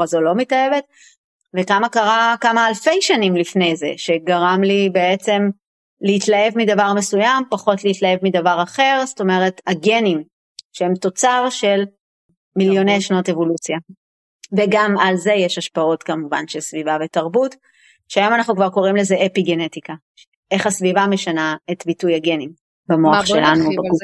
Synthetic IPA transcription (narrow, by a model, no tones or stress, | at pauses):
azolo̞mitaeve̞t | vekamakaʁakamaːlfe̞jʃanimlifne̞jze̞̰ʃe̞ɡaʁamlibe̞et͡se̞m | leitlae̞vmidavaʁme̞sujampaχo̞tleitlae̞vmidavaʁaχe̞ʁsto̞me̞ʁe̞taɡe̞nim | ʃehemto̞t͡saʁʃe̞l | miljo̞nejʃno̞te̞vo̞lut͡sja | veɡamalze̞jeʃaʃpao̞tkamuva̰nʃelsvivavetaʁbut | ʃeajo̞manaχnukvaʁko̞ʁimlezeʔepiɡene̞tika | ʔe̞χasvivame̞ʃanaetbitujaɡe̞nim | bamoaχʃelanubaɡu